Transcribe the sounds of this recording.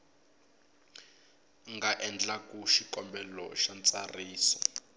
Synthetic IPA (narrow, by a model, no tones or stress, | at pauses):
ŋɡaʔɛnd͡ɮakuʃikɔmbɛlɔ̰ʃant͡sʼariːsɔ̥